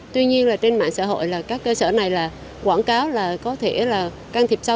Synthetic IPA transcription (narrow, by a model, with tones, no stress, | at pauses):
t̪wi˧ɲi˧ənlaː˨˩t͡ɕe˧nma̰ː˧˨ŋsa̰ː˧˥ho̰˧˨jlaː˨˩kaː˦˥kːəː˧səː˧˩na˨˩jlaː˨˩ | kwaː˧˩ŋkaː˨˦wlaː˨˩kɔ˨˦t̪ʰe˧˩laː˨˩ | kaː˧nt̪ʰi˨˩p̚sa˧